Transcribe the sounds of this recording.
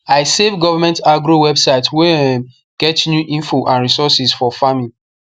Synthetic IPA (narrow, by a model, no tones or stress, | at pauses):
aɪsevɡɔvamɛ̃ntaɡɾowɛbsaɪtʰwɛ | ɡ̥ɛtnjuʔĩnfoʔãnɹisɔsisfɔfamĩn